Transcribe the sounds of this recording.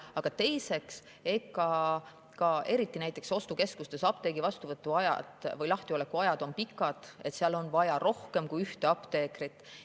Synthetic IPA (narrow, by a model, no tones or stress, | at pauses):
ɑɡ̥ɑt̪e̞jse̞ks | e̞kˑːɑ | kɑe̞ɾit̪ːˑinæjt̪ːˑe̞kso̞st̪uke̞skust̪e̞sɑp̚t̪e̞ːɡivɑst̪uvɤt̪ːuɑjɑ̰d̪̥vɤjlɑht̪io̞le̞kuɑjɑd̪̥o̞npikːˑɑd̪̥e̞t̪seɑlo̞nvɑjɑro̞hke̞mkujyht̪eɑpt̪e̞ːkrit̪ːˑ